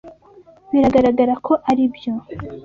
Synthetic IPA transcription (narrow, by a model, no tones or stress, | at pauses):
βiɾaɡaɾaɡaɾakʰo̞ʔaɾibjo̞